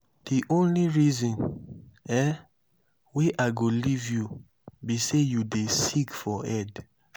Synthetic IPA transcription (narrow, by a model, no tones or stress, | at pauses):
d̥iʔõnliɹizɔ̃n | ɛ | weʔaɪɡolivju | bisejudesikfɔɛd